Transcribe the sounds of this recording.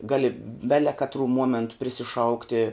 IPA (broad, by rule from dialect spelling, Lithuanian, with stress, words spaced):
ˈɡɑːlʲɪ ˈbʲæːlʲɛ kɐtˈruː ˈmuɔmʲɛntʊ pʲrʲɪsʲɪˈʃɐʊktʲɪ